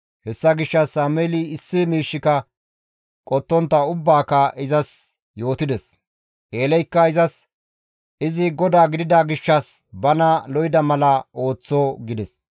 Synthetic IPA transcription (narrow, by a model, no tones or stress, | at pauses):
hɛsːɐɡɪʃːɐsːaːmeːliɪsːɪmiːʃːɪkɐ | kʼɔt̪ːɔnt̪ːɐʊbːaːkɐʔɪzɐs | jo̞ːt̪ɪd̪ɛs | ʔeːlɛjkːɐɪzɐs | ʔɪzɪɡɔd̪aːɡɪd̪ɪd̪aɡɪʃːɐs | bɐnɐlɔjɪd̪ɐmɐlɐo̞ːt͡sːɔɡɪd̪ɛs